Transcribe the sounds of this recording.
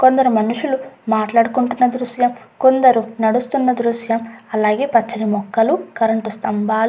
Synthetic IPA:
ko̞nd̪ɐɾumɐnuʂulumaːʈlaːɽukuɳʈunːɐd̪ɾuʃjɐm | ko̞nd̪ɐɾunɐɽust̪unːɐd̪ɾuʃjɐmɐlaːɡeːpɐt͡ʃːɐnimɔkːɐlukɐɾɐɳʈust̪ɐmbʱaːlu

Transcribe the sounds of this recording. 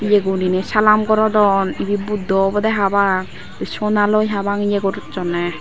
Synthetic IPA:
ijeɡuninɛsalamkɔɾɔdɔnibibud̪ːɔbɔd̪ɛɦabaŋ | sɔnalɔjɦabaŋijeɡɔɾd͡ʒɔnɛ

